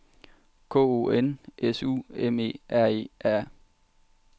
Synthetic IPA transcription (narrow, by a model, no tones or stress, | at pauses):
kʰo̰ːo̰ːenʔesṵːeme̝̰ːæɐ̰e̝̰ːʔæɐ̰